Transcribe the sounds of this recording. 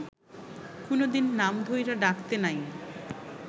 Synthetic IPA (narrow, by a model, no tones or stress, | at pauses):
konod̪inːamd̪ʱojɾaɖakt̪enaj